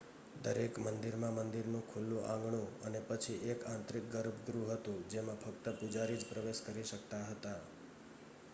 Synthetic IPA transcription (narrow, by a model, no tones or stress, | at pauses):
d̪əɾekmənd̪iɾmãmənd̪iɾnũkʰulːũʔã̰ŋɡɳũənepət͡ʃʰiʔekãnt̪ɾik̚ɡəɾbɡɾuɦət̪ũd͡ʒemãpʰəkt̪əpud͡ʒaɾid͡ʒpɾəʋeʃkəɾiʃək̚t̪aɦət̪a